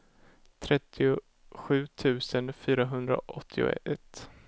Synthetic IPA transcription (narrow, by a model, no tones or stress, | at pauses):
t̪ʰɾɛt̪ʰːɪʊ | ɧʉ̟ːt̪ʰʉ̟ːsənfyːɾaɦɵnd̪ɾa̰ʔɔt̪ʰːɪʊ̰ɛt̪ː